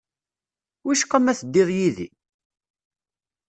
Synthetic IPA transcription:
wiʃkːæmæθd̪ːiðˤjiðḭ

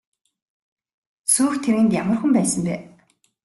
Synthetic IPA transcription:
suːxt̪ʰeɾɘ̆nt̪jamə̆rxə̆mpæːsə̆mpæː

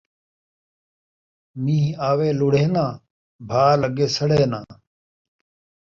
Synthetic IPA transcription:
mĩːɦaːʋeːluɽeːnãː | bʱaːləɡeːsəɽeːnãː

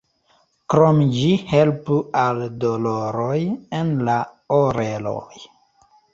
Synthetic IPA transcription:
kɾomd͡ʒihe̞lpualdoloɾojenla | oɾelo̰j

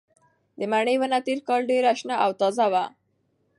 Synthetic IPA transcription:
d̪əmaɳəjwənat̪eɾkɑlɖeɾaʃnaʔawt̪ɑzawa

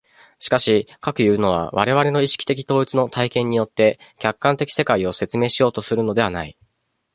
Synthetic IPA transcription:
ɕi̥kaɕikakɯ̟jɯ̟ːno̞βa̰βa̰ɾe̞β̞aɾe̞no̞iɕi̥i̥t̪e̞kʲi̥t̪o̞ːit͡sɨno̞t̪ʰaikẽ̞ɲ̟ːijo̞t̪ːe̞kʲakːãnt̪e̞kʲi̥se̞kaio̞se̞t͡sɨme̞ːɕijo̞ːt̪o̞sɨɾɯ̟no̞d̪e̞βanai

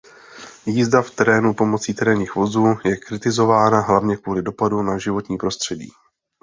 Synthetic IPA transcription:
jiːzdaft̪ɛɾɛːnupo̞mo̞t͡siːt̪ɛɾɛːɲiːxvo̞zuːjɛkɾɪt̪ɪzo̞vaːnaɦlavɲɛkvuːlɪdo̞padunaʒɪvo̞t̪ɲiːpɾo̞st̪r̝̥ɛɟḭː

